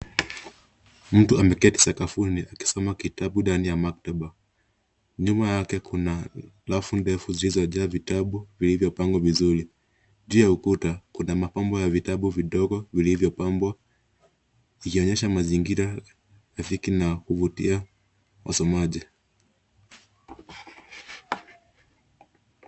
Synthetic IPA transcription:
m̩tuamɛkɛti̥sakafuniʔaki̥sɔmakitaɓuɗanijamak̚taɓa | ɲumajakɛkuna | lafundɛfuzilizɔʄaːvitaɓuvilivjɔpaŋɡɔvizuɾi | ʄuːjaukutakunamapambwajavitaɓuviɗɔɡɔvilivjɔpambwa | ikiɔɲɛʃamaziŋɡiɾa | ɾafikinakuvutḭa | wʔa̰sɔmaʄi

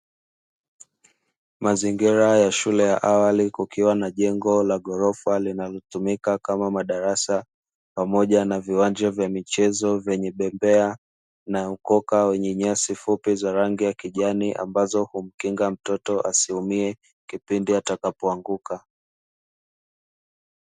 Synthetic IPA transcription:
maziŋɡiɾajaʃulɛja̰ʔawalikukiwanaʄɛŋɡɔlaɠɔɾɔfalinalɔt̪umikakamamaɗaɾasa | pamɔʄanaviwand͡ʒavjamit͡ʃɛzɔvjɛɲɛɓɛmbɛa | naukɔkawɛɲɛɲasifupizaɾaŋɡijakiʄaniʔa̰mbazɔhum̩kiŋɡam̩tɔtɔʔasiumiɛ | kipindiatakapɔaŋɡuka

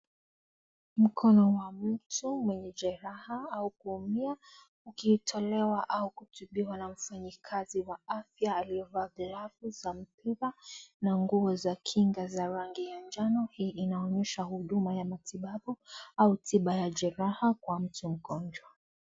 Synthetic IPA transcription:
m̩kʰɔnɔwam̩tumwɛɲɛʄɛɾahaaukuːmia | ukitʰɔlɛwaʔaukutuɓiwanam̩faɲikʰaziwaafjaːliɔvaːɡlavuzam̩piɾanaŋɡuɔzakʰiŋɡazaɾaŋɡijand͡ʒanɔhiːʔinaɔɲɛʃahuɗumajamatʰiɓaɓuautʰiɓajaʄɛɾahakwam̩tum̩ɡɔnd͡ʒwa

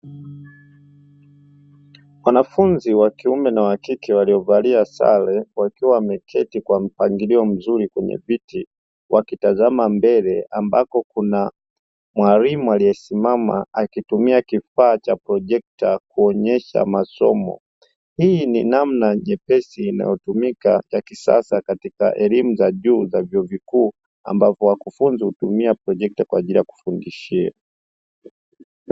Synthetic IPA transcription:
wanafunziwakiumɛnawakikɛwaliɔvaliasa̰lɛwakiwamɛkʰɛtikwam̩paŋɡiliɔm̩zuɾikwɛɲɛ̰viti | wʔakitazamambɛlɛambakɔkuna | mwaɾimualijɛsimama̰akitumiakifaːt͡ʃapɾɔʄɛk̚takuɔɲɛʃa̰masɔ̰mɔ̰ | hininamnaɲɛpɛsiːna̰jɔtumika̰jakisa̰sakatika̰ʔɛlimuzaʄuːzavjɔːvikuː | a̰mbavɔwakufunzihutumiapɾɔʄɛk̚takwaːʄilijaku̥fundiʃia̰

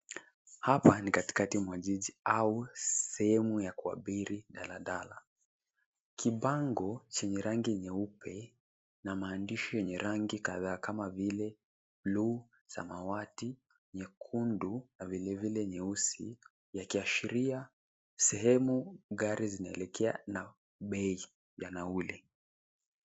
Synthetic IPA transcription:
hapanikati̥katimwaʄiʄiausɛhɛmujakua̰ɓiɾiɗalaɗala̰ | kʰiɓaŋɡɔt͡ʃɛɲɛɾaŋɡiɲɛupʰɛ | namaːndiʃɔjɛɲɛɾaŋɡikaðaːkamavilɛ | blu | sa̰mawati | ɲɛkʰundunavilɛvilɛɲɛusi | jakiaʃiɾia | sɛɦɛmuɣaɾizinaɛlɛkʰɛa̰na | ɓɛi | janaulɛ

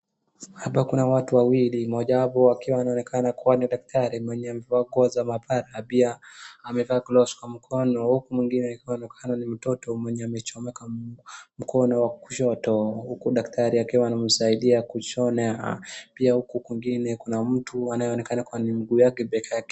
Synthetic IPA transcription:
haɓakunawatuwawilimɔʄahapɔakiwaːnaɔnɛkʰanakuwaniɗak̚tʰaɾimwɛɲɛamɛvaːɡɔazamapaɾapiaːmɛvaːklɔskwam̩kʰɔnɔhukumwiŋɡinɛikiwankʰanɔnim̩tɔtɔmwɛɲɛamɛt͡ʃɔmɛkam̩kʰɔnɔwaku̥ʃɔtɔhukuɗaktʰaɾiakiwaːnam̩saiɗiakut͡ʃɔna̰piahukukwiŋɡinɛkunam̩tuanajɛɔnɛkanakuanimiɡuːjakɛɓɛkakɛ

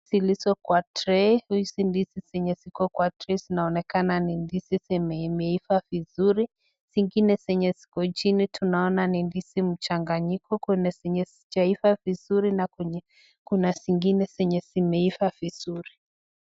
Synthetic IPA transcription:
silisɔkwatɾɛhuisindisisɛɲɛsikɔkwatɾɛzinaɔnɛkananindisisɛmɛmɛifavizuɾi | siŋɡinɛsɛɲɛsi̥kɔt͡ʃinitʰunaɔnanindisim̩t͡ʃaŋɡaɲikʰɔkɛnɛsɛɲɛst͡ʃaifavizuɾinakɛɲɛ | kunasiŋɡinɛsɛɲɛsimɛifaviz̥uɾi

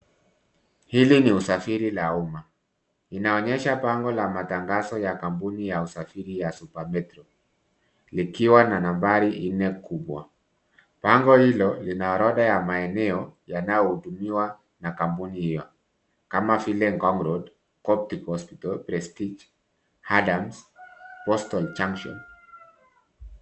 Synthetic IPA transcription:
hiliniusafiɾilauma | inaɔɲɛʃapaŋɡɔlamataŋɡazɔjakampunijausafiɾijasupamɛtɾɔ | likiwananambaɾiʔnɛkuɓwa̰ | paŋɡɔhilɔlinaɾɔɗajamaɛnɛɔjanajɔhutumiwa | nakampunihijɔ | kamavilɛŋɡɔŋɡɾɔd | kɔp̚tikhɔspi̥tɔlpɾɛstid͡ʒ | hadamspɔstɔlt͡ʃaŋkʃɔ̰n

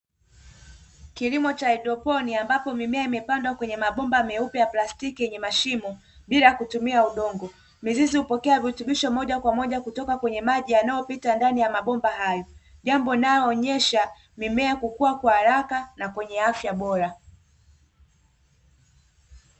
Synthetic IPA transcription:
kilimɔt͡ʃaɛɗɔpɔniambapɔmimɛaimɛpandwakwɛɲɛmaɓɔmbamɛupɛjaplastikijɛɲɛmaʃimɔ | ɓilakutumiauɗɔŋɡɔ | mizizihupɔkɛavituɓiʃɔmɔʄakwamɔʄakutɔkakwɛɲɛmaʄijanajɔpitandanijamaɓɔmbaɦajɔʄambɔnajɔːɲɛʃa | mimɛakukuwakwahaɾakanakwɛɲɛafjaɓɔɾa

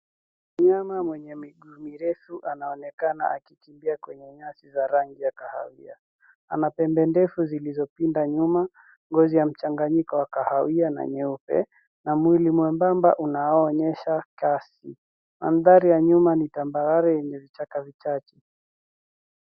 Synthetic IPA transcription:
mɲamamwɛɲɛmiɠuːmiɾɛfuʔanaɔnɛkana̰ʔa̰kikimbiakwɛɲɛɲasizaɾaŋɡijakaha̰wia | anapɛmbɛndɛfuzilizɔpindaɲuma | ŋɡɔzijam̩t͡ʃaŋɡaɲikɔwakahawiana̰ɲɛupɛ̰ | namwilimwɛmbamba̰ʔunaɔːɲɛʃakasi | ma̰m̩ðaɾijaɲumanitambaɾaɾɛjɛɲɛvit͡ʃakavit͡ʃat͡ʃɛ̥

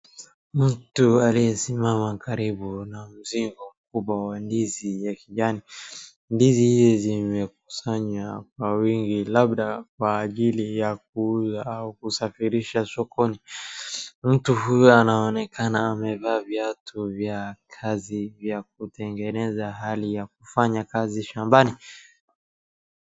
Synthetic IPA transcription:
m̩tualijɛsimamakaɾiɓunam̩ziŋɡɔm̩kuɓwawandizijakiʄani | ndizihizizimɛk̚u̥saɲak̚wawiŋɡilaɓɗak̚waːʄilijak̚uuzaaukusafiɾiʃasɔkʰɔni | m̩tuɦujɔanaɔnɛkʰanaːmɛvaːvjatʰuvjakʰazivjak̚utɛŋɡɛnɛzaɦalijak̚ufaɲakaziʃambani

